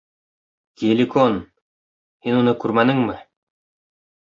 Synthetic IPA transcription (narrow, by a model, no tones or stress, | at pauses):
kielʲikon | hinunɤkʉɾmænɘŋmɘ